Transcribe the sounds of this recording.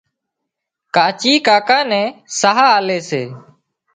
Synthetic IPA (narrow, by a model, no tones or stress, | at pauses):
kaːt͡ʃiːkaːkãːnɛ̃ːsəɦaːleːseː